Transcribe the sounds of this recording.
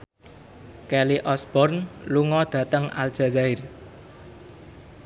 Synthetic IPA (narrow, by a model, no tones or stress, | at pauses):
kɛliʔɔsb̥ɔrnluŋɔd̪̥ä̤t̪əŋa̰ld̥ʒ̥ä̤zaɪr